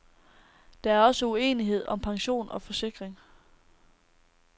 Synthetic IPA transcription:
d̥ɑ̈æɐɒ̽səue̝̰ːniɦe̝ð̞̰ˠʔɒ̽mpʰɑ̈ŋɕo̝̰ːnɒ̽fɒ̽se̝ɡ̥ʁeŋ

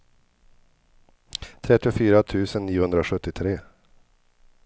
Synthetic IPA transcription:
t̪ʰɾɛt̪ːɪɔfyːɾat̪ʰʉ̟ːsənːiːʊhɵnd̪ɾaoɧɵt̪ːɪt̪ʰɾeː

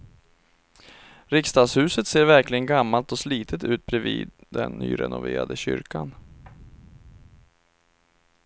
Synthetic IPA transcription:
ɾɪkst̪ɑːd̪shʉ̟ːsət̪seːɾvæɾklɪɡənɡamːalt̪ɔsliːt̪ʰət̪ʉ̟ːt̪̚bɾɛvḭːd̪d̪ɛnːy̰ːɾɛnʊveːɾad̪əɕʏ̰ɾkan

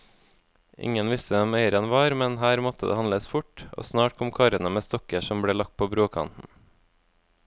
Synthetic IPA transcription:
ʔɪ̰ŋənʋɪst̪əɛmœʏəɾənʋɑːɾmɛnhæːɾmɔt̪əd̪ḛːɑnləsfʊʈʔo̰ːsnɑːʈ̚kʰɔmkʰɑɾənəmeːst̪ɔkəʃɔmbɽeːlɑk̚t̪̚pʰoːbɾoːkʰɑ̰nt̪n̩

